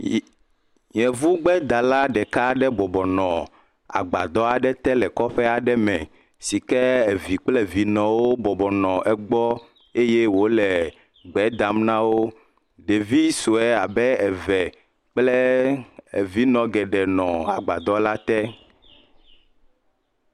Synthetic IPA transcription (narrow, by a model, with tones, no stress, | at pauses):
ɲɛ̃˨vu˦ɡ͡bɛ˦d̪a˨la˦ɖɛ˨ka˦ɖɛ˦bɔ˨bɔ˨nɔ̃˨ | a̰˨ɡ͡ba̰˨d̪ɔ˦a˨ɖɛ˦t̪ɛ˦lɛ˨kɔ˦ɸɛ˦a˨ɖɛ˦mɛ̰̃˨ | si˨kɛ˦ɛ˨vi˨k͡plɛ˦vi˨nɔ̃˨wo˦bɔ˨bɔ˨nɔ̃˨ʔɛ˨ɡ͡bɔ˦ | e˦jɛ˦wo˦lɛ˨ | ɡ͡bɛ˨˦d̪a˨mnã˦wo˦ | ɖe˨vi˦so˨ɛ˦a˨bɛ˦ɛ˨vɛ˨ | k͡plɛ˦ | e˨vi˦nɔ̃˨ɡɛ˨ɖɛ˨nɔ̰̃˨a̰˨ɡ͡ba˨d̪ɔ˦la˦t̪ɛ˦